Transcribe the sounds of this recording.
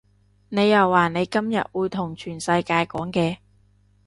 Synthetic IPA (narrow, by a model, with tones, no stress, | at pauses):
ne˨˧jːɐ˨wːaː˨ne˨˧jkɐ˥mjɐ̰˨t̚wuː˨˧jt̪ʰʊ˨˩ŋt͡ʃʰyː˨˩nsɐ˧jkaː˧jkɔː˨˥ŋkɛː˧